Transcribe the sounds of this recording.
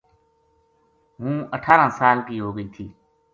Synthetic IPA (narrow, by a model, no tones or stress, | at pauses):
ɦũːəʈʰaːɾãːsaːlkiːɦoːɡəiːt̪ʰiː